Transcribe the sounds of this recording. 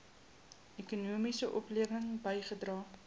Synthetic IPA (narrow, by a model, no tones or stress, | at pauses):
ʔekunuəmisəʔɔpliəvəŋbəjχədrɑː